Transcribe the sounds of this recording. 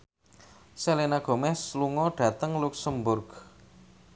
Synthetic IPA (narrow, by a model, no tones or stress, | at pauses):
selenaɡ̥o̤mɛsluŋɔɖ̥ä̤t̪əŋluksəmbʊrɡ̥